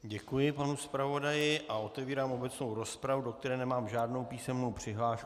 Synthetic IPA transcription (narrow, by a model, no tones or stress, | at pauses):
ɟɛkujɪpanuspɾavo̞dajɪʔao̞t̪ɛviːɾaːmo̞bɛt͡snowɾo̞spɾavudo̞k̚t̪ɛɾɛːnɛmaːmʒaːdno̞wpiːsɛmnowpr̥ɪɦlaːʃ